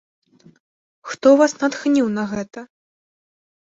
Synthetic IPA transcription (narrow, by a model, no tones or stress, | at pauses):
xt̪ɔvasnat̪xnʲiwnɐɣɛt̪ɐ